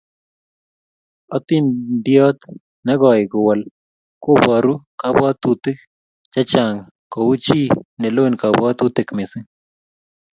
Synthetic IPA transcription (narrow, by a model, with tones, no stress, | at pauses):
ɔ˦t̪ɪ˦ndɪ˦ɔ˦t̪ | nɛ˦ɡɔ˨jɪ˨ɡʊ˨wa˨l | ko˦ba˨ɾu˦ka˦bwa˦t̪u˨t̪ɪ˦k̚ | d͡ʒa˦t͡ʃa˨ŋ | ko˨wu˦t͡ʃi˦nɛ˨lo˦nka˨ba˦t̪u˦t̪e˨kmɪ˨sɪ˦